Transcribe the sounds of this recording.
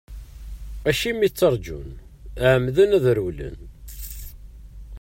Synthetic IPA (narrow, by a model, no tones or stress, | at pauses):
æʃimːit͡sːəɾˤd͡ʒṵn | ʕəmðənæðɾulə̰n